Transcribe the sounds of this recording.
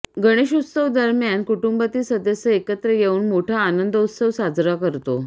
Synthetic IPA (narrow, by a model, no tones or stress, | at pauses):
ɡəɽ̃eɕut̪səʋd̪əɾmjankuʈumbət̪iːsəd̪esəekət̪ɾəjeuːnmoʈʰaːnənd̪əut̪səʋsad͡zɾakəɾt̪o